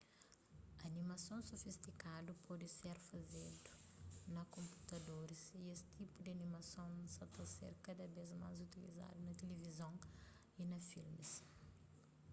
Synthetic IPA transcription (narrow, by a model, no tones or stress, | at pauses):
ɐnimɐsõw̃sofist̪ikad̪upɔd̪iseɾfɐzed̪u̥nɐkõmpu̥t̪ɐd̪oɾiziesi̥t̪ipud̪ɐnimɐsɐ̃w̃nsɐ̃t̪ɐsḛɾkɐd̪ɐvezma̰zut̪ilḭza̰d̪unɐt̪elevizɐ̃w̃ | inɐfilmis